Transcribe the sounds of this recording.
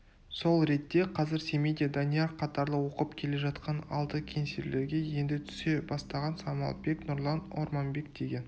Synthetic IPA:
so̞lˠɾe̞t̪ːe̞qʰɑzɪɾse̞mejd̪ed̪anʲijaqʰːɑt̪ɑɾlˠəwo̞qəpkʲʰe̞le̞ʒɑt̪qɑnɑ̰lˠt̪əkʲʰe̞nseɾle̞ɾɡʲe̞je̞nd̪ɪt̪ʰʏ̥se̞bɑst̪ɑʁɑnsɑmɑ̰lˠt̪̚be̞knʊɾlˠɑno̞̰ɾmɑmbe̞k̚d̪̥e̞ɡʲe̞n

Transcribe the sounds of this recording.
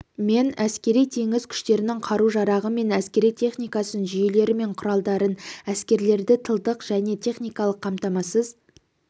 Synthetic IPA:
me̞næskʲe̞ɾijt̪ʰe̞ŋɪz̥kʲʰʏ̥ʃt̪e̞ɾɪnɪŋqʰɑɾuʒɑɾɑʁəme̞næskʲe̞ɾijt̪ʰe̞χnijkɑsənʒʏje̞le̞ɾɪme̞ɴqʰʊɾɑlˠd̪ɑɾənæskʲe̞ɾle̞ɾd̪ɪt̪ʰəlˠd̪əqʒ̥æne̞t̪ʰe̞χnijkɑlˠəqʰːɑmt̪ɑmɑsəz

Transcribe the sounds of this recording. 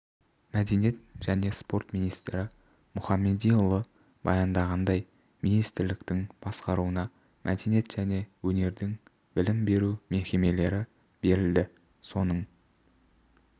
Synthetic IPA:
mæd̪enijet̪ʒ̥æne̞spo̞ɾt̪mijnijst̪ɾɪ | mʊχɑmːe̞d̪ijʊlˠə | bɑ̰jɑnd̪ɑʁɑnd̪ɑj | minijst̪ɪɾlɪkt̪ɪŋb̥ɑsqɑɾuənɑ | mʔæ̰d̪enijet̪ʒ̥æne̞wɵne̞ɾd̪ɪŋ | bɪlɪmbe̞ɾume̞kʲe̞me̞le̞ɾɪ | b̥e̞ɾɪld̪ɪ | so̞nəɴ

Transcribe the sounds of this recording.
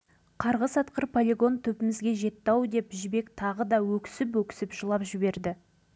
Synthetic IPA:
qʰɑɾʁəsɑt̪qəɾpʰolʲeɡo̞nt̪ʰɵpɪmɪzɡʲe̞ʒe̞t̪ːɑwd̪e̞pʒɪbe̞kt̪ʰɑʁəd̪ɑwɵkʲɪ̥sɪp̬wɵkʲɪ̥sɪpʒəlˠɑpʒɪbe̞ɾd̪ɪ

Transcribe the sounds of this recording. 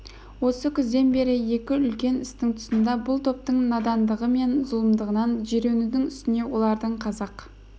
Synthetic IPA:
wo̞səkʲʰʏzd̪e̞nbe̞ɾɪje̞kʲɪʏlkʲe̞nɪst̪ɪŋt̪ʰʊ̥sənd̪ɑbʊlˠt̪ʰo̞p̚t̪əɴnɑd̪ɑnd̪əʁəme̞nzʊlˠəmd̪əʁənɑnʒeɾe̞nud̪ɪŋʏst̪ɪne̞wo̞lˠɑɾd̪əɴqʰɑzɑq

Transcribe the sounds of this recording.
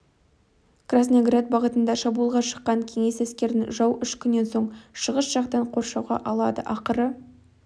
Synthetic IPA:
krasnoɡrat̪̚bɑʁət̪ənd̪ɑʃɑbulˠʁɑʃə̥qːɑŋkʲʰe̞ŋe̞sæskʲe̞ɾd̪ɪŋʒɑwʏʃkʲʰʏnːe̞nso̞ɴʃəʁəsʒ̥ɑqt̪ɑɴqʰo̞ɾʃɑwʁɑ̰ʔɑlˠɑd̪əʔɑqəɾə

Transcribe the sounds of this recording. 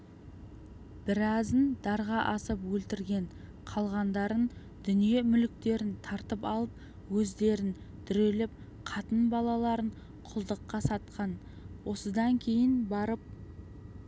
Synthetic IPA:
b̥ɪɾɑzənd̪̥ɑɾʁɑʔɑsəpwɵlt̪ɪɾɡʲe̞ɴ | qʰɑlˠʁɑnd̪ɑɾən | d̪̥ʏnije̞mʏlɪk̚t̪e̞ɾɪnt̪ʰɑɾt̪əpɑlˠəp̚ | wɵzd̪e̞ɾɪn | d̪̥ʏɾe̞lɪp̚ | qʰɑt̪ənbɑlˠɑlˠɑɾəɴ | qʰʊlˠd̪əqːɑsɑt̪̚qɑn | wo̞səd̪ɑŋkʲʰe̞jɪnbɑɾəp̚

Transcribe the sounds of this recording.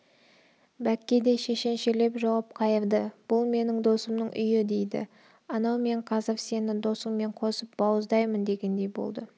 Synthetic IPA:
bækʲːe̞d̪e̞ʃe̞ʃe̞nʃele̞pʒɑwɑp̚qʰɑjəɾd̪əb̥ʊlˠme̞nɪŋd̪o̞səmnəɴʔʏ̰jɪd̪e̞jd̪ɪ̰ | ɑnɑwme̞ɴqʰɑzɑfse̞nɪd̪o̞səŋme̞ɴqʰo̞səp̚bɑwəzd̪ɑjmənd̪e̞ɡʲe̞nd̪e̞jbo̰lˠd̪ə

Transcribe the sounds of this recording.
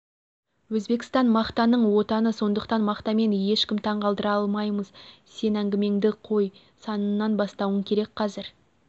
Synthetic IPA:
wɵzbe̞kst̪ɑnmɑχt̪ɑnəɴwo̞t̪ɑnəso̞nd̪əqt̪ɑnmɑqt̪ɑme̞nje̞ʃkʲɪmt̪ʰɑɴʁɑlˠd̪əɾɑɑlˠmɑjməzse̞næŋɡʲɪme̞ŋd̪ɪqʰo̞j | sɑnənːɑnbɑst̪ɑwəŋkʲʰe̞ɾe̞k̚qʰɑzɪɾ

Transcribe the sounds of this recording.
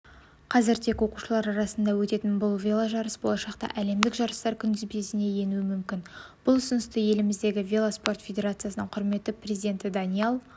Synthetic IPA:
qʰɑzɪɾt̪ʰe̞kwo̞quʃəlˠɑɾɑɾɑsənd̪ɑwɵt̪e̞t̪ɪnbʊlˠvʲe̞lˠaʒɑɾəsbo̞lˠɑʃɑqt̪ɑ̰ʔæle̞md̪ɪkʒɑɾəst̪ɑɾkʲʰʏnd̪ɪzbesɪne̞je̞nuɪmʏmkʲɪnb̥ʊlˠʏsʊnəst̪əje̞lɪmɪzd̪e̞ɡʲɪvʲe̞lˠaspo̞rt̪fʲed̪ʲe̞ɾat̪sɨjasənəɴqʰʊɾme̞t̪ːɪprʲezid̪e̞nt̪ɪd̪anielˠ

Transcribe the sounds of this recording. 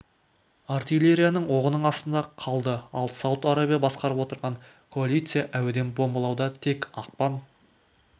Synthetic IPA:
art̪ijlʲe̞ɾʲijanəɴwo̞ʁənəɴɑst̪ənd̪ɑqʰɑlˠd̪əɑlˠsɑwət̪aɾabijabɑsqɑɾəpwo̞t̪əɾʁɑɴ | kʰo̞alʲijt̪sɨjaʔæwɪd̪e̞nbo̞mbɑlˠɑwd̪ɑt̪ʰe̞kɑq̚pɑn

